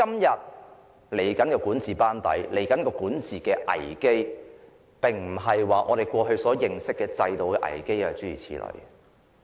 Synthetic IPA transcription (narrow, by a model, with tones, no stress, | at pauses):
kɐ˥mjɐ˨t̚ | le˨˩jkɐ˨˥nkɔ˧kuː˨˥nt͡siː˨paː˥nt̪ɐ̰˨˥jle˨˩jkɐ˨˥nkɔː˧kuː˨˥nt͡siː˨kɛː˧ʔɐ̰˨˩jke˥j | pɪ˨˩ŋm̩˨˩ɦɐ˨jwaː˨ŋʔɔ̰ː˨˧ɾe˨jkʷɔː˧ɦɵ˧ɥsɔː˨˥jɪ˨ŋsɪ˥kːɛː˧t͡sɐ˧jt̪o˨wkɛː˧ʔɐ̰˨˩jke˥jɐ˨t͡ʃyː˨˥iː˨˩t͡sʰḭː˨˥lɵ̰˨˩ɥ